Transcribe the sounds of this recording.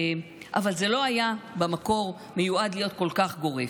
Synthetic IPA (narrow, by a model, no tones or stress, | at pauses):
ʔa̰valze̞lo̞ajabamako̞ʁ | mejuad̪lijo̞t̪̚ko̞lkaχɡo̞ʁe